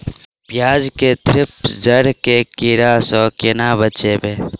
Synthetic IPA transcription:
pjaːd͡ʒket̪ʰɾɪpsd͡ʒəɽkekiɾaːsɔkɪnaːbət͡ʃebeː

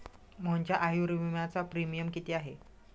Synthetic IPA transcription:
məɲt͡ɕjaʔajuɾiʋimat͡sapɾimijəmkit̪iaɦe

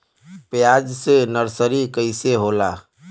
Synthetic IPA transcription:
pjad͡ʒsenəɾsəɾikəɪseɦola

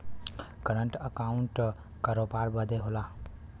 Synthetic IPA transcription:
kəɾəɳʈəkauɳʈ | kəɾopaɾbəd̪eɦola

